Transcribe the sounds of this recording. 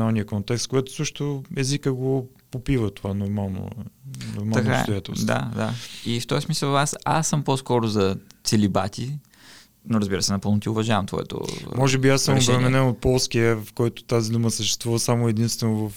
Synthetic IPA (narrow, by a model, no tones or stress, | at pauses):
alˠnijəkont̪ɛkst̪̚koɡat̪ʊ̥səʃt̪oɛzikəɡo | popivət̪ovanoɾmalˠno̰noɾmaɐk̪ast̪ojat̪ɛ̰lˠsd̪a̰d̪aift̪ɔjsmisəlˠasa̰sːəmposkɔɾʊzɐt̪sɛlibat̪ʲi | noɾəzbiɾəsɛnɐpɤlˠnot̪iʊvɐʒavɐmt̪vɔ̰ɛ̰t̪o̰mɔʒɛbiasəmovɾɛmɛnɛnot̪̚pɔlˠskiəvfkɔjt̪ʊ̥t̪azid̪uməsəʃt̪ɛ̥st̪vuvəsamʊɛd̪inst̪vɛnʊvɐf